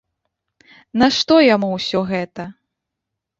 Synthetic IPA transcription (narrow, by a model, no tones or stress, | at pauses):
nɐʂt̪ɔjamuwsʲɔɣɛt̪ɐ